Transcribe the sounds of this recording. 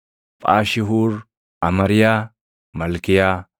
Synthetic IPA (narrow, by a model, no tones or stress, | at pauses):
pʼaːʃɪɦuːɾ | ʔɐmɐɾɪjaː | mɐlkɪjaː